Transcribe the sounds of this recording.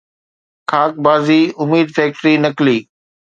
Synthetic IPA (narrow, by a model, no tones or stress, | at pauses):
kʰaːk̚baːziːʊmiːd̪fɛːk̚ʈɾinɐkliː